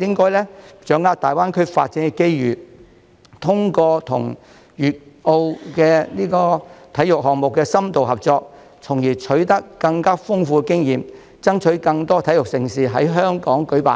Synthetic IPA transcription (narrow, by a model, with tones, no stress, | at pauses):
jɪ˥ŋkɔː˥jlɛː˥t͡ʃœː˨˥ŋːaː˧t̚t̪aː˨˩jwaː˥nkʰɵ˥ɥfa̰ː˧t̚t͡sɪ˧ŋkɛ˧ke˥jɥyː˨˩ | t̪ʰʊ˥ŋkɔː˧t̪ʰʊ̰˨˩ŋ | jyː˨˩t̚o˧wkɛː˧niː˥kɔː˧t̪ʰɐ˨˥jʊ˨k̚ɦɔː˨k̚mʊ˨kːɛː˧sɐ˥mt̪o˨wɦɐ˨p̚t͡sɔː˧k̚ | t͡sʰʊ˨˩ŋjiː˨˩t͡ʃʰɵ˨˥ɥt̪ɐ˥kːɐ˧ŋkaː˥fʊ˥ŋfuː˧ɛ˧kɪ˥ŋjiː˨m | t͡sɐ˥ŋt͡ʃʰɵ˨˥ɥkɐ˧ŋt̪ɔː˥t̪ʰɐ˨˥jʊ˨k̚sɪ˨˩ŋsiː˨ɦɐ̰˨˥jɦœː˥ŋkɔː˨˥ŋkɵ˨˥ɥpa̰ː˨n